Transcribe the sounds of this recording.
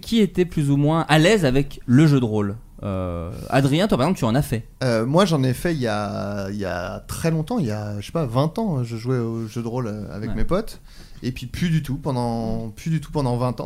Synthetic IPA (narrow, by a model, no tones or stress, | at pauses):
kʲʰiet̪ɛplyzumwɛ̃ʔalɛzavɛkləʒød̪əʁol | ø̰a̰d̪ʁijɛ̃t̪wapaʁezɑ̃plt̪yɑ̃nafɛømwaʒɑ̃nɛfɛiljailja̰t̪χɛlɔ̃t̪ɑ̃iljaʃe̥pavɛ̃t̪ɑ̃ʒəʒuɛoʒød̪əʁoløa̰vɛkmepɔt̪ | epɥiplyd̪yt̪upɑ̃d̪ɑ̃plyd̪yt̪u̥pɑ̃d̪ɑ̃vɛ̃t̪ɑ̰̃